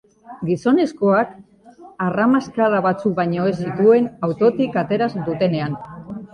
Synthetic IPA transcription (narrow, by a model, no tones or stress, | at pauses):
ɡiso̞ne̞sko̞ak | aramaskaɾaβat͡sukβaɲo̞e̞sit̪ue̞nawt̪o̞t̪ikat̪e̞ɾazd̪ut̪e̞ne̞an